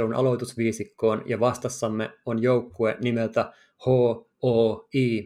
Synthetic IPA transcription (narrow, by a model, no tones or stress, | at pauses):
unʔɑ̰lo̞t̪usʋiːsikːoːnjɑʋɑst̪ɑsːɑmːḛonjowkːuenimelt̪æ | hoː | oːiː